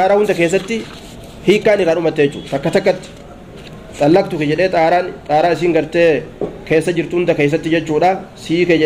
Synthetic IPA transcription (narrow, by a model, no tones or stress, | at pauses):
t̪aːɾaːhʊnd̪ɐkeːs̬ːɐt̪ːɪ | hiːkːaːnɪrːaːnʊmɐt̪ːeɛt͡ʃːṵːt̪ɐkːɐt̪ɐkːɐt̪ːɪ̥ | t̪ʼɐlːɐk̚t̪ʊkɛd͡ʒɛᶑe̞ːt̪ʼaːɾaːnt̪ʼaːɾaːɪs̬iːŋɡɐɾt̪eːkeːsːɐd͡ʒɪɾt̪ʊhʊnd̪ɐkeːs̬ːɐt̪ːɪd͡ʒɛt͡ʃːuːᶑaːsiːkɛd͡ʒɛ